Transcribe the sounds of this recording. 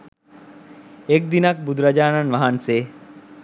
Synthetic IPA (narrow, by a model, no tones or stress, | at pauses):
ek̚d̪inɐk̚bud̪ɾɐd͡ʒaːnanʋɐɦanseː